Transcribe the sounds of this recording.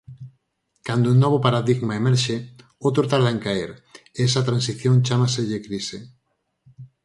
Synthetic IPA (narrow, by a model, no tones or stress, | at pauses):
kand̪ounɔβ̞opaɾaðiɣmaemɛɾʃe | owt̪ɾot̪aɾðaẽŋkaeɾeɛsat̪ɾãns̬iθjõŋt͡ʃamaseʎekɾise